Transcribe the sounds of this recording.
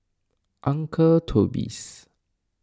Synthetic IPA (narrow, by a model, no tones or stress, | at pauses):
ʔãŋkʰətʰobḭs